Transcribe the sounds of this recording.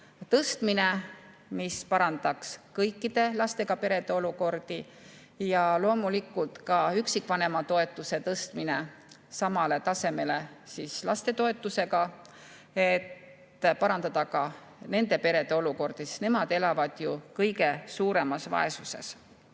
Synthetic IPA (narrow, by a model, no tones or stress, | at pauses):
t̪ɤst̪mine̞ | mispɑɾɑnd̪ɑkskɤjkːˑid̪̥e̞lɑst̪e̞ɡ̥ɑpe̞ɾe̞d̪̥eo̞luko̞rd̪̥i | jɑlo̞ːmulikːult̪kɑyksikːˑvɑne̞mɑt̪o̞e̞t̪ːˑuse̞t̪ɤst̪mine̞ | sɑmɑle̞t̪ɑse̞me̞le̞sislɑ̰st̪e̞t̪o̞e̞t̪ːˑuse̞ɡɑ | e̞t̪ː | pɑɾɑnd̪̥ɑd̪̥ɑkɑ | ne̞nd̪e̞pe̞ɾe̞d̪̥eo̞luko̞rd̪̥isi̥ne̞mɑd̪̥e̞lɑvɑd̪̥jukɤjɡe̞suːɾe̞mɑsvɑ̰e̞suse̞̰s